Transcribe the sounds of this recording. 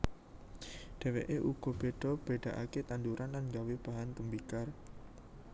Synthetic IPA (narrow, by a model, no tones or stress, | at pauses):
ɖ̪̥ɛ̤weʔeʔuɡ̥ɔ̤b̥eɖ̥ɔ̤b̥eɖ̥a̤ʔaket̪and̪uɾʔanlanŋɡaweb̥aɦant̪əmbikar